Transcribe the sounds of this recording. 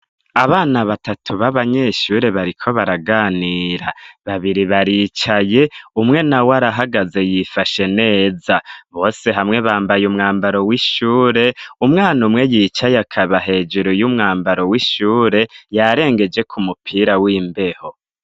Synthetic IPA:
aβaːnaβatatʰuβaβaɲe̞ʃuːɾe̞βaɾikʰo̞βaɾaɡaːniɾaβaβiɾiβaɾit͡ʃaje̞umŋe̞nawaɾaɦaɡaze̞jifaʃe̞ne̞ːzaβo̞ːse̞ɦamŋe̞βaːmbajumŋaːmbaɾo̞wiʃuːɾe̞umŋaːnumŋe̞jit͡ʃajakʰaβaɦe̞ːd͡ʒeɾojumŋaːmbaɾo̞wiʃuːɾe̞jaɾe̞ːŋɡe̞d͡ʒe̞kʰumupʰiːɾawiːmbe̞ho̞

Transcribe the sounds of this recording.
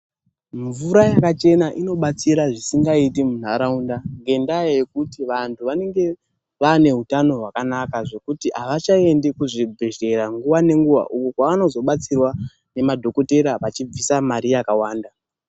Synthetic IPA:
ɱvuɾajakat͡ʃe̞naʔino̞ɓat͡siɾaʐisiŋɡaitimun̤aɾaundaŋɡe̞ndajajekutiʋantʰuʋane̞ŋɡe̞ | ʋane̞ɦutano̞ɦwakanakaʐo̞kutiaʋat͡ʃae̞ndekuʐibʱeɮe̞ɾaŋɡuʋane̞ŋɡuʋa̰ʔukokwaano̞zo̞ɓat͡sirwa | ne̞madʱo̞ko̞te̞ɾaʋat͡ʃib͡visamaɾijakawaːnda

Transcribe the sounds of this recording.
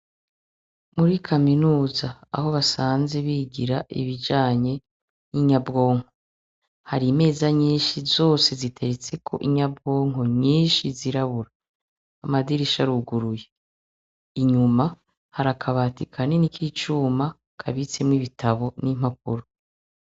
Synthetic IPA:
muɾikʰaminuːzaa̰ho̞βasaːnze̞βiːɡiɾaʔḭβid͡ʒaːɲe̞ | jiɲabɡo̞ːŋho̞ | haɾiːme̞ːzaɲiːnʃizo̞ːse̞zitʰe̞ɾet͡se̞kʰo̞̰ʔiɲabɡo̞ːŋɦo̞ɲiːnʃiziɾaβuɾaː | madiɾiʃaɾuɡuɾuje | iɲuma | haɾakʰaβaːtikʰanenikʰit͡ʃuːma | kʰaβit͡semŋwiβitʰaβo̞nim̥hak̚ṵɾu

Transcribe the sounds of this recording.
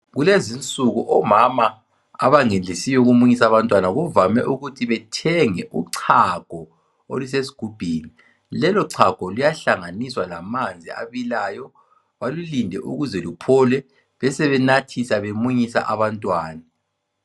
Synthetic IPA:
ɣulezint͡sʼuɣuʔɔmama̰ː | βaŋend͡ɮʱisijɔuɣumuɲisaβantʼwanaɣuvamɛʔuɣutʰiβɛtʰɛŋɛʔṵǀʰaɡ̥ʱɔ | o̰lus̬esi̥ɡ̥ʱub̥ʱiːni | lɛlɔǀʰaɡ̥ʱɔlujaɬaŋaniswalamand͡zʱia̰βilajɔ | βalulindʱɛʔṵɣuzɛlupʰɔlɛ | βɛsɛβɛnatʰisaβemuɲisa̰ʔaβantʼwaːna

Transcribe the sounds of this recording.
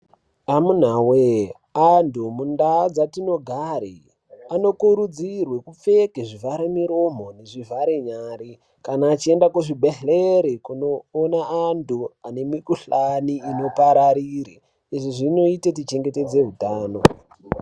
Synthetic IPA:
amun̤awe | antumundad͡zatino̞ɡʱaɾḭ | ano̞kuɾud͡zirwe̞kup͡fe̞keʐivaɾemiɾo̞m̤o̞ne̞ʐivaɾeɲaːɾi | kanaːt͡ʃie̞ndakuʐibʱeɬeɾikuno̞ːnaantuane̞mikuɬaniːno̞paɾaɾiɾe | iʐiʐino̞ite̞t̬it͡ʃe̞ŋɡete̞d͡zeɦutaːno

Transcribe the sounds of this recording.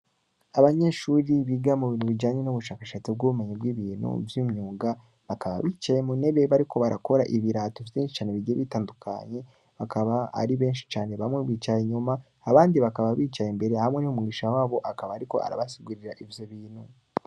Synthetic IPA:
aβaɲe̞ʃuːɾiβiːɡamuβiːnuβiɟaːɲenuβuʃaːkaʃaːt͡sib̚ɡuːume̞ɲibwiβiːn̤̥hṵvjiːmɲuːɡa | βakaβa̰βiːt͡ʃajemune̞βeβaɾiko̞βaɾako̞ɾaʔiβiɾaːtovjeːnʃi̥t͡ʃaːne̞βiɡieβitaːndukʰa̰ɲe̞ | βakaβaa̰ɾiβe̞ːnʃi̥t͡ʃaːne̞βamŋeβiːt͡ʃajeɲumaː | βaːndiβakaβaβiːt͡ʃajembe̞ɾe̞hamŋe̞niumuɡiʃawaːβo̞ʔakaβaːɾiko̞̰ʔa̰ɾa̰βasiɡuɾiɾaʔivjoβiːnhu

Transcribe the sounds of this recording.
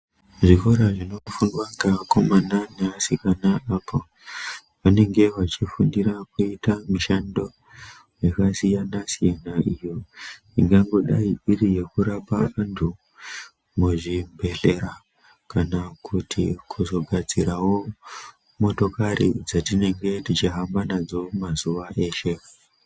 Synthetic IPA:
ʐiko̞ɾaʐino̞fundwaŋɡako̞mananeasikanaʔapʰo | ʋane̞ŋɡe̞ʋat͡ʃifundiɾakuitamiʃando̞ | jekasijanasijanaijo̞ | iŋɡaŋɡo̞ɗaiɗirije̞kuɾapa̰ʋantʰu | muʐimbe̞ɮe̞ɾa | kanakʰutʰḭkʰuzo̞ɡʱad͡ziɾawo̞ | mo̞to̞karḭd͡zatine̞ŋɡe̞tit͡ʃiɦambanad͡zo̞mazuʋaʔe̞ːʃe̞

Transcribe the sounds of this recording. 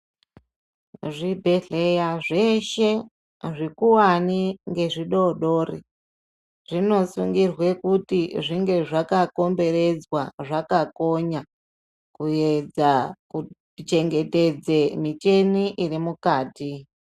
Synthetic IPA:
ʐibʱe̞ɮe̞jaʐe̞ʃe̞ | ʐikuwaniŋɡe̞ʐiɗo̞ɗo̞ːrḭ | ʐ̥ino̞suŋɡirwe̞kutiʐiŋɡe̞ʐakako̞mbe̞re̞d͡zwaʐakako̞ɲa | kued͡zaku | t͡ʃe̞ŋɡe̞te̞d͡zemit͡ʃe̞niʔirimukaːti

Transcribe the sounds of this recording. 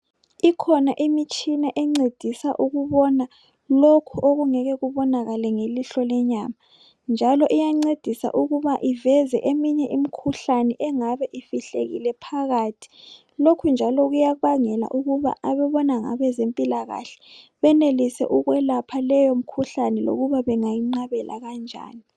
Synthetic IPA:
ikʰɔnaʔimit͡ʃʼinaʔɛŋ͡ǀed̥ʱisaʔuɣuβɔna | lokʰuʔoɣuŋɛɣɛɣuβɔnaɣalɛŋeliɬɔlɛɲaːma | nd͡ʒʱalɔʔijaŋ͡ǀed̥ʱisa̰ʔuɣuβaʔivɛzɛ̰ʔemiɲɛʔimikʰuɬanɛʔɛŋaβɛʔifiɬḛɣḭlɛpʰaɣatʰi̥ | lokʰund͡ʒʱalɔɣujaβaŋɛla̰ʔuɣuβa̰aβɛβɔnaŋa̰βɛzempʼilaɣa̰ɬɛ̥ | βɛnelisɛ̰ʔuɣwɛlapʰalɛjom̩kʰuɬanɛlo̰ɣuβaβɛŋajiŋ͡ǀaβɛlʔa̰ɣand͡ʒʱa̰ːni

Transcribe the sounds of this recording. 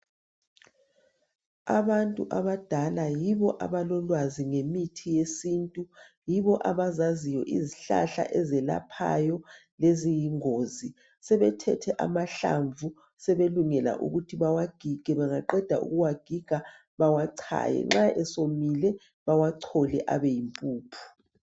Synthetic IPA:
a̰βantʼuʔaβad̥ʱalajiβɔʔa̰βalɔlwaziŋemitʰijesintʼu | jiβɔʔaβazazijɔʔiziɬa̰ɬa̰ʔɛzɛla̰pʰa̰jɔ | lezijiŋoːzi | sɛβɛtʰɛtʰɛʔa̰maɬa̰ɱvu | sɛβeluŋɛla̰ʔṵɣutʰiβawaɡ̥ʱiɡ̥ʱɛβaŋaǃɛd̥ʱaʔṵɣuwaɡ̥ʱiɡ̥ʱa | βawaǀʰa̰jɛ̰ŋ͡ǁaʔɛsomilɛ | βawaǀʰɔlɛʔa̰βɛjimpʼuːpʰu̥

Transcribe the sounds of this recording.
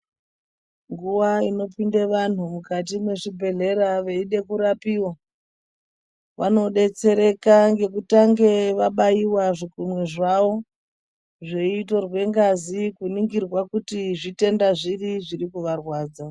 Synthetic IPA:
ŋɡuʋaino̞pindeʋan̤umukat̬imwe̞ʐibʱe̞ɮe̞ɾaʋeiɗe̞kuɾapiwa | ʋano̞ɗe̞t͡se̞ɾe̞kaŋɡe̞kutaŋɡe̞ʋaɓaiwaʐikumweʐaʋo̞ | ʐe̞ito̞rwe̞ŋɡazikuniŋɡirwakutiʐite̞ndaʐiriʐiɾikuʋarwaːd͡za

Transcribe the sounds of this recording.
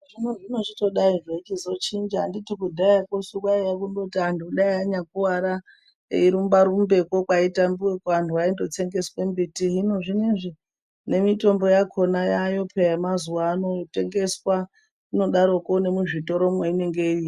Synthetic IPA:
ʐinoʐino̞t͡ʃito̞ɗaiʐet͡ʃizo̞t͡ʃind͡ʒaːnditikudʱajakosukwaijakundotiandiuɗaiaɲak̚uwaɾa | iɾumbaɾumbe̞kokwaitambuwekantʰuaindo̞t͡se̞ŋɡe̞swembitiɦinoʐinenʐi | ne̞mito̞mbo̞jakʰo̞najajo̞pʰejamazuwaːno̞te̞ŋɡe̞swa | ino̞ɗaɾo̞koune̞muʐito̞ɾo̞mweine̞ŋɡei

